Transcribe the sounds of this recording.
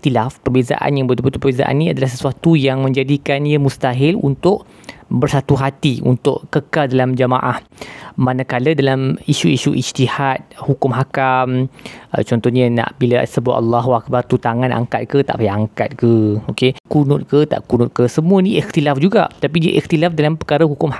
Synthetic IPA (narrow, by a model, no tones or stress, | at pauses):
t̪ilafpərbeza̰ʔa̰njaŋbət̪ubət̪upəbeza̰ʔa̰nːĩadalahsəsuat̪ujaŋmə̃ɲd͡ʒadikanjəmust̪aɦɪlṵnt̪ʊʔ | bərsat̪uɦat̪iṵnt̪ʊʔkəkaldalamd͡ʒəmãʔah | mːanakalədalamiʃuiʃuʔist̪ihat̪̚hukʊmɦakamə̰t͡ʃɔnt̪ɔhɲə̃na̰ʔbilasəbua̰tʔalːɑɦwak̚bart̪ut̪aŋãnʔa̰ŋkat̪̚kət̪a̰ʔpaaŋkat̪̚kəokekunʊt̪̚kət̪a̰ʔkunʊt̪̚kəsəmũənĩʔixt̪ilafd͡ʒuɡa̰ʔt̪apidiəʔixt̪ilafdalampəkaɾəɦukʊmha